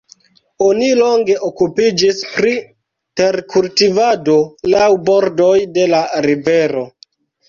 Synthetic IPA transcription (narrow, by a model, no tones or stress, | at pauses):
o̞nilo̞ŋɡe̞ʔokupid͡ʒispɾi | te̞ɾkultivado̞lawbo̞ɾdo̞jde̞laɾive̞ɾo̞